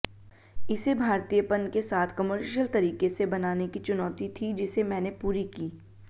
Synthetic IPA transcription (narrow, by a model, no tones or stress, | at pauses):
ɪsebʱaːɾt̪ijəpənkesaːt̪ʰkɐməɾʃəlt̪ɐɾiːkesebɐnaːnekit͡ʃʊnɔːt̪it̪ʰid͡ʒɪsemɛ̃ːnepuːɾikiː